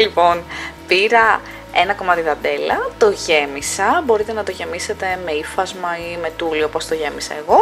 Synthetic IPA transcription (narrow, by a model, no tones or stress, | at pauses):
lipo̞npiɾɐ | e̞nɐko̞mɐt̪iðɐnd̪e̞lɐ̰t̪o̞ʝe̞misɐbo̞ɾit̪e̞nɐt̪o̞ʝe̞mise̞t̪e̞me̞ifɐzmɐime̞t̪uliopo̞st̪o̞ʝe̞misɐ̰eɣo̞